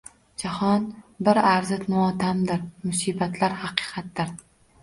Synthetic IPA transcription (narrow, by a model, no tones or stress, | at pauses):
d͡ʒahɒnbɪɾaɾzɪt̪nʊɒt̪ʰamd̪ɪɾmʊsiːbat̪ʰlaɾhɑqʰɨ̥ːqʰɑt̪̚d̪ɪɾ